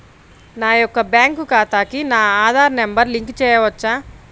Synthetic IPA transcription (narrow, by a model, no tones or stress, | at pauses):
naːjɔkːɐbjaːŋkukaːt̪aːkinaːaːd̪ʱaːɾnembɐɾliŋkt͡ʃɛːjɐʋɐt͡ʃːaː